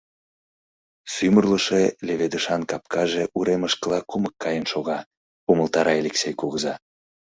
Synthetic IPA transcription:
symərləʃeleβed̪əʃɑnkɑp̚kʰɑʒeʔuɾeməʃkəlɑkuməkːɑjənʃoɣɑ | uməlt̪ɑɾɑelʲeksʲejkuɣəzɑ

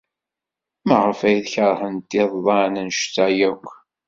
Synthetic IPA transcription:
mæʁəfæjðçəɾˤhənt̪ːiðˤðˤɑnənʃtːæjækʷː

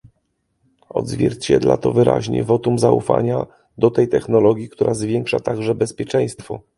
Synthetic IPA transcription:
ɔ̰d̪zvʲjɛɾt͡ɕɛd̪lat̪ɔvɘɾa̰ʑɲɛ̰vɔt̪umzaṵfa̰ɲa | d̪ɔt̪ɛjt̪ɛxnɔlɔɡʲjikt̪uɾʔazvʲjɛŋkʂat̪aɡʐɛbɛspʲjɛt͡ʂɛ̃j̃st̪fɔ

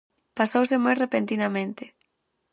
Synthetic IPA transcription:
pasowsɪmojrepent̪inamẽnt̪ɪ

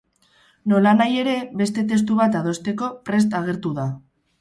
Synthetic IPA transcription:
no̞lanaje̞ɾe̞βe̞st̪e̞t̪̬e̞s̬t̪uβ̞at̪að̞o̞st̪e̞ko̞pɾe̞s̬t̪aɣ̞e̞ɾt̪uða

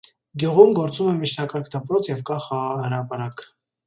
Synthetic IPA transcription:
ɡjuʁumɡɔɾt͡sumɛmit͡ʃʰt̪ʰɑkɑɾkʰd̪əpɾɔt͡sʰjɛvɡɑχɑʁɑɑhəɾɑpɑɾɑk

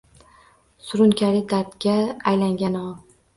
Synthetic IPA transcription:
sʊɾʊnkʰʲaɾɪd̪aɾt̪kʲaːjlaŋɡʲanɒ

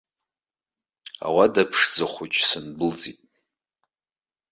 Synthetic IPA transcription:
a̰wadapʰʂd͡zaχʷut͡ʃʼsɨnbɨld͡zitʼ

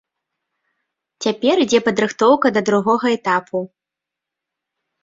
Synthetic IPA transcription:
t͡sʲapʲɛɾid͡zʲɛpɐd̪ɾɨxt̪ɔwkɐd̪ɐd̪ɾuɣɔɣɐɛt̪apʰu

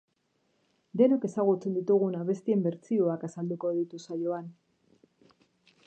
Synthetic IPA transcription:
d̪e̞noke̞saɣ̞ut͡se̞nd̪it̪uɣ̞unaβe̞st̪ie̞mbe̞ɾt͡sio̞akasald̪uko̞ð̞it̪usajo̞an

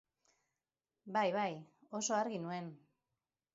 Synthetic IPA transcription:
bajβajo̞so̞aɾɣinue̞n

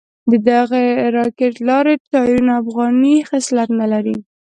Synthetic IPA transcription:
d̪əd̪aɣaɾɑkeʈlɑɾet̪ɑɾunafɣɑnixɪslat̪nalaɾi

